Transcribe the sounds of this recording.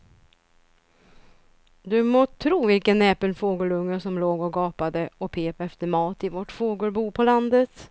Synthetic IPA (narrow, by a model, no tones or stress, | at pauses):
d̪ɵmoːt̪ʰɾuːvɪlkənːɛːpəlfoːɡəlɵŋːəʂɔmloːɡɔɡɑːpad̪əɔpʰeːpɛft̪əɾmɑːt̪ɪvɔʈfoːɡəlbuːpʰɔland̪ət̪